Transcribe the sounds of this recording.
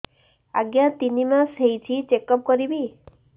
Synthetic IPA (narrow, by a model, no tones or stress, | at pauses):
a̰ɡjat̪inimãsejt͡ʃʰit͡ʃekɔp̚kɔɾibi